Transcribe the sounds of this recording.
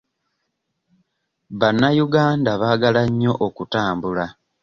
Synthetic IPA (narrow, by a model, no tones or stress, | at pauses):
βanːajuɡaːndaβaːɡalaɲːo̞ʔokutaːmbula